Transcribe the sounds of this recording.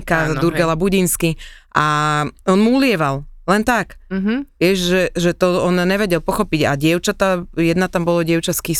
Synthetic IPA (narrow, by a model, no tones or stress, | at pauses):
kad̪uɾɡɛlabuɟinskiʔaɔnmuulɪɛʋallɛnt̪akɦʋɪɛʒʒɛʒɛt̪ɔɔnɲːɛʋɛɟɛlˠpɔxɔpiɟa̰ɟɪɛʊt͡ʃat̪ajɛd̪nat̪ambɔlɔɟɪɛʊt͡ʃaskis